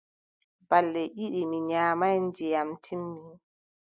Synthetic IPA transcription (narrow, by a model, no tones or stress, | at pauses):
balːɛʔiɗimiɲaːmajnd͡ʒɛjamtʰimːi